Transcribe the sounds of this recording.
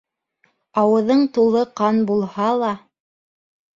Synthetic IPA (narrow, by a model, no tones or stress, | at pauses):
ɑwɤ̆ðɤɴt̪ulˠɤqɑnbulˠhɑlˠɑ